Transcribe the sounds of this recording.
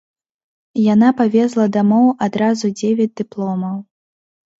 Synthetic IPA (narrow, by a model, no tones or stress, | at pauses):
janapavʲɛzlˠɐd̪amɔwad̪ɾazud͡zʲevʲɛd͡zʲd̪ɨplˠɔmɐw